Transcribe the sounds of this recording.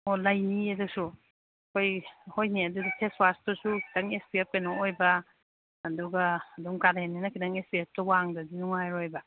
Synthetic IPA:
olajniedusu | kʰojhojniɐdudipʰeswastɔsukʰi̥dɐŋespiep̚kenɔojbɐː | duɡɐːduŋkaɾenːinɐkʰidɐŋespiap̚tɐwaŋdɐdinuŋajɾojbɐ

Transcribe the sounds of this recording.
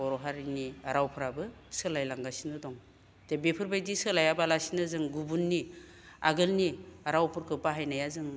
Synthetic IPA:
ɔɾɔɦaɾiniaɾawpʰɯɾabɯsɯlajlaŋɡasinɯdɔŋ | tebepʰɯɾbajdisɯlajabalasinɯzɯŋɡubunːi | a̰ɡɯlniaɾawpʰɯɾkʰɯpaɦajnajazɯŋ

